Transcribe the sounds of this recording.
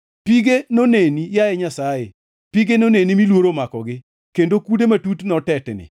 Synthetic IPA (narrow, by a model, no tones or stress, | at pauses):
piɡenonenijaɛɲasajḛ | piɡenonenimilwoɾomakɔɡɪ | kendokudematutnɔtɛtnɪ̰